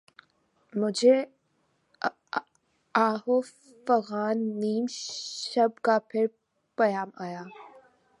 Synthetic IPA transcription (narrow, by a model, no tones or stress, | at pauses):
mʊd͡ʒʱe | aːɦo | fɐɣaːnːiːmʃɐb̚kapʰɪɾ | pɐjaːmaːjaː